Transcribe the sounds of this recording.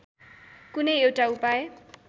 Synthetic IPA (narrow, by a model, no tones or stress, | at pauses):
kunʌjewʈaupaje